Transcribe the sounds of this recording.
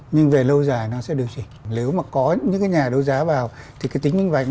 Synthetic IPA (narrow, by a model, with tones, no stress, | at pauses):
ɲɨ˧ŋve˨˩lə˧wzaː˨˩jnɔ˨˦sɛ̰˧˥ɗɨ˨˩ək̚t͡ɕi˧˩le˨˦wmaː˨˩kɔ˨˦ɲɨ̰˧˥ŋkaː˨˦jɲaː˨˩ɗə˧wzaː˨˦vaː˨˩w | t̪ʰi˨˩ka˨˦t̪i˨˦ŋmï˧ŋva̰˧˨ŋ